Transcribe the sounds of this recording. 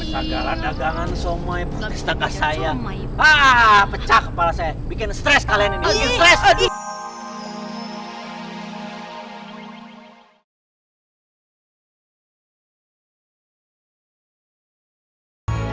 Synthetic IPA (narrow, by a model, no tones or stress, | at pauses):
səɡaladaɡaŋansomajpɾot̪ɛst̪akasajapaʔpət͡ʃakːəpalasajabikɪnst̪ɾɛskalianinibikɪnst̪ɾɛslaɡi